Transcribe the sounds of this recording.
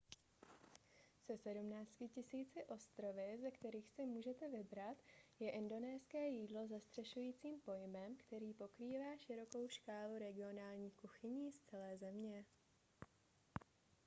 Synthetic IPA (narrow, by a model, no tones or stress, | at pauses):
sɛsɛdumnaːt͡scɪcɪsiːt͡sɪʔo̞st̪ɾo̞vɪzɛkt̪ɛɾiːxsɪmuːʒɛt̪ɛvɪbɾat̪jɛʔɪndo̞nɛːskɛːjiːdlo̞zast̪r̝̥ɛʃujiːt͡siːmpo̞jmɛmkt̪ɛɾiːpo̞kɾiːvaːʃɪɾo̞ko̞wʃkaːluɾɛɡɪo̞naːlɲiːkuxɪɲiːst͡sɛlɛːzɛmɲɛ